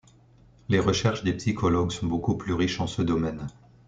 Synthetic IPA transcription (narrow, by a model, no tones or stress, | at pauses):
leʁəʃɛʁʃd̪epsikʰɔlɔɡsɔ̃bokuplyʁiʃɑ̃səd̪ɔmɛn